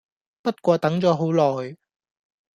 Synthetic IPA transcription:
pɐ˥t̚kʷɔː˧t̪ɐ˨˥ŋt͡sɔː˨˧˥ɦo˨˥wlɔː˨˩j

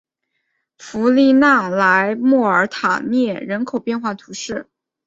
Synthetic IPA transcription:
fu˧˥li˥˧na˥˩ŋla˧˥ɪmɔ˥˩ə˞˧˥t̪ʰa̰˨˩njɛ˥˩ɻə˧˥nkʰo˨˩ʊpjɛ˥˧nxwa˥˩t̪ʰu˧˥ʂɻ̩˥˩

